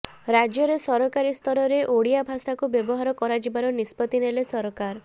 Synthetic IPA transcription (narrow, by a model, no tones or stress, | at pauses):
ɾad͡ʒjɔɾesɔɾɔkaɾist̪ʰɔɾɔɾeʔoɽijabʱasakubjɔbɔɦaɾɔkɔɾad͡ʒibaɾɔnispɔt̪inelesɔɾɔkaɾ